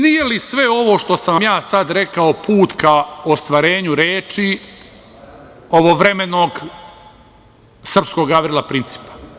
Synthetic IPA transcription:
nijelisʋe̞o̞ʋo̞ʃt̪o̞samjaːsad̪ɾe̞kaopʰuːt̪kaost̪ʋaːɾe̞ːɲuɾeːt͡ʃi | o̞ʋoʋɾe̞me̞no̞ːɡ | sr̩psko̞ɡaʋɾilˠapɾint̪si̥ːpḁ

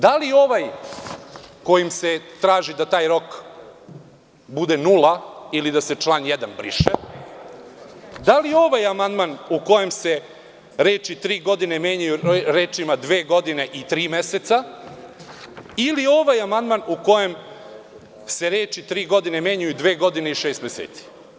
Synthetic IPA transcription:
d̪alio̞ʋaj | ko̞jimse̞t̪ɾaːʒid̪at̪aːjɾo̞k | bud̪e̞nulailid̪ase̞t͡ʃlˠaːnjed̪anbɾḭʃe | d̪alio̞ʋajamand̪manuko̞je̞mse̞ | ɾeːt͡ʃit̪ɾiːɡo̞d̪ine̞meːɲajuɾe̞ːt͡ʃimad̪ʋeːɡo̞d̪ine̞ʔit̪ɾiːmeset̪sa | ilio̞ʋajamand̪manuko̞je̞m | se̞ɾeːt͡ʃit̪ɾiːɡo̞d̪ine̞meɲajud̪ʋe̞ːɡo̞d̪ine̞iʃeːst̪mesḛːt̪si̥

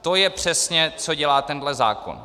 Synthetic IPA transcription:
t̪ojɛpr̝̥ɛsɲɛt͡so̞ɟɛlaːt̪ɛndlɛza̰ːko̰n

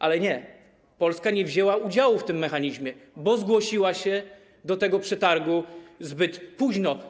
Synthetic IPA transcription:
ʔalɛɲɛ | pɔlskaɲɛvʑɛwaud͡ʑawuft̪ɘmːɛxaɲiʑmʲjɛbɔzɡwɔɕiwaɕɛ | d̪ɔt̪ɛɡɔpʂɛt̪aɾɡuzbɘt̪puʑnɔ

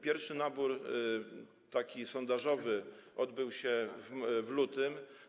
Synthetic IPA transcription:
pʲjɛɾfʂɘnabuɾ | t̪akʲisɔnd̪aʐɔvɘʔɔd̪bɘwɕɛvvlut̪ɘm

